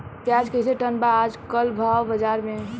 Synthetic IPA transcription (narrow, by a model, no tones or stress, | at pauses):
pjad͡ʒkəseʈənbaːd͡ʒkəlbʱawbəd͡ʒaɾme